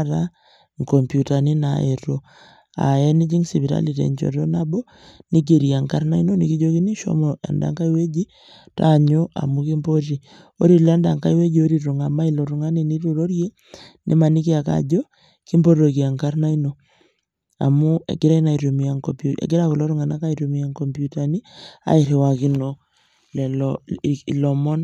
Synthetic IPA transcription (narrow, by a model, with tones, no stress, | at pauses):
ɾa | ŋkɔ˨mpjuta˨ni˦naeɾo˦ | a̰˨ɛ˦ni˦d͡ʒi˦ŋsi˨βi˨ɾa̰˦li˨tḛ˨ɲd͡ʒo̰˨ɾo˦nabo˦ | ni˦k̬e˨ɾja˨ŋka˦ɾna˦i˦no˦ni˨ki˦d͡ʒo˦ki˦ni˦ʃo̰˦moḛ˨nda̰˨ŋka˦i˦we˦d͡ʒi˦ | ta̰ɲoʔa̰˨muki˦mbo˦ɾi˨ | o˦ɾi˨lɛ˦nda˨ŋka˦i˦we˦d͡ʒi˨o˦ɾi˦u˨ŋa˨ma˦ilo˨ɾu˨ŋa˦ni˨ni˦ɾu˨ɾo˦ɾje˦ | nʔḛ˦ma˨ni˦kɪ˦a˨ka̰˨d͡ʒɔ˦ | ki˦mbo˦ɾo˨ki˨a˨ŋka˦ɾna˦i˦no˨ | a̰˨mʊ˦ḛ˨ɡɪ˦ɾa˦i˦na˨i˨ɾo˨mi˨a˨ŋkɔpuḛ˨ɡɪ˦ɾakɔ˨lo˦ɾu˦ŋa˨na˦ka˦i˨ɾo˨mi˨a˦ŋkɔ˨mpju˦ta˨ni˦a̰˨ɪ˨ɾi˨wa˨ki˦no | lɛ˨ | lɔ˨mɔ˦n